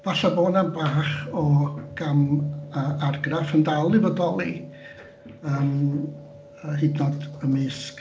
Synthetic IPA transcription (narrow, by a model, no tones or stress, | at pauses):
vaɬaboːnanbaːχɔɡ̥aməʔarɡrafəndalˠɨvədɔlˠi | əːm | əhɨdnɔdəmɪsk